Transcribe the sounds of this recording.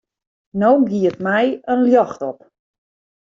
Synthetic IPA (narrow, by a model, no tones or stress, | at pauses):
nowɡiətmɛjənljɔxtɔp